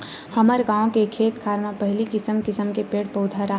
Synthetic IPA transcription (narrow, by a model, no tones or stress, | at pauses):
həməɾɡãːõkekʰeːt̪kʰaːɾmãpɐɦɪlikɪsəmkɪsəmkepeːʈ̚pəʊd̪ʱaɾa